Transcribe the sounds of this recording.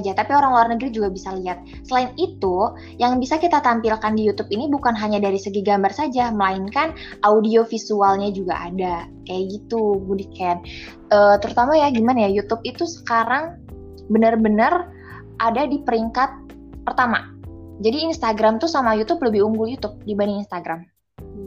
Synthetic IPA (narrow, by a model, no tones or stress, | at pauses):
d͡ʒat̪apioɾaŋluarnəɡɾid͡ʒuɡabisaliat̪̚ | səlaɪnit̪u | jaŋbisakit̪at̪ampilkandijut̪ʊpinibukanɦaɲadaɾisəɡiɡambarsad͡ʒaməlaɪnkanʔaudiofisualɲad͡ʒuɡaʔa̰dakajaʔɡit̪uɡudikɛan | əːt̪əɾut̪amajaɡimanajajut̪ʊp̚it̪usə̥kaɾaŋ | bənərbənər | ʔadadipəɾiŋkat̪̚ | pərt̪ama̰ | d͡ʒadiːnst̪aɡɾamt̪usamajut̪ʊp̚ləbɪhuŋɡʊljut̪ʊp̚dibaniinst̪aɡɾam